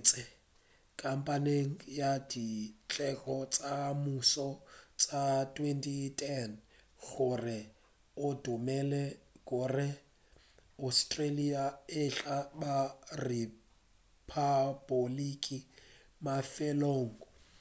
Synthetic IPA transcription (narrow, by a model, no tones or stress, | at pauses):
t͡sʼɪ | kʼam̩pʼaneŋ̩jadit͡ɬʼɛɣɔt͡sʼamusɔt͡sʼatʼwentʼitʰʼɛn | ɣʊrɪ | ʊdʊmɛlɛkʼʊrɪ | astʼreliaɪɬabari | pʰabolikʼi | mafɛloːŋ̩ɔ